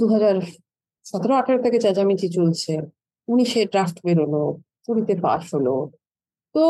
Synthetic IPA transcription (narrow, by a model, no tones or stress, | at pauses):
d̪uɦad͡ʑaɾ | ʃat̪ʰeɾoaʈʰeɾoɾt̪ʰeked͡ʑad͡ʑamit͡ɕit͡ɕolt͡ɕʰe | uniʃeɾɖɾafʈbeɾolo | puɾit̪epa̰ʃɦolo | t̪o